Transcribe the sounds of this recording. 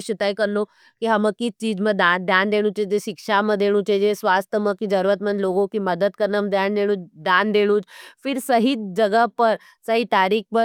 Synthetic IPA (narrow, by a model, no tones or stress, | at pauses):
ɕit̪ajkəɾno | kiɦaməkit͡ʃiːd͡zməd̪ad̪ʱjand̪eɽ̃ũt͡ʃed͡ʒeɕikʂaməd̪eɽ̃ũt͡ʃed͡zesʋast̪ʰəməkid͡zəɾʋət̪mənd̪loɡokiməd̪ət̪̚kəɾnəmd̪ʱjand̪eɽ̃ũːt͡ʃd̪and̪eɽ̃ũːt͡ʃfiɾsəɦid͡ʒəɡəpəɾ | səɦit̪aɾiːkpə